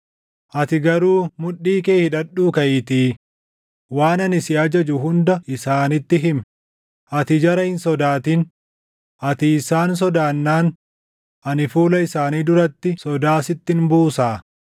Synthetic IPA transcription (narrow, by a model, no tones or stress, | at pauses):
ʔɐt̪ɪɡɐɾuːmʊᶑiːkeːhɪᶑɐᶑːuːkɐʔɪt̪iː | waːnɐnɪsɪɐd͡ʒɐd͡ʒʊɦʊnd̪ɐʔɪsaːnɪt̪ːɪɦɪm | ʔɐt̪ɪd͡ʒɐɾɐhɪnsɔd̪aːt̪in | ʔɐt̪ɪːsaːns̬ɔd̪aːnːaːn | ʔɐnɪfuːlɐɪsaːniːd̪ʊɾɐt̪ːɪsɔd̪aːsɪt̪ːɪnbuːsaː